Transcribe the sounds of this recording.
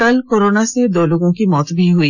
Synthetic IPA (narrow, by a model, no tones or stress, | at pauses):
kɐlkoːɾoːnased̪oːloːɡõkimɔːt̪bʱiɦʊiː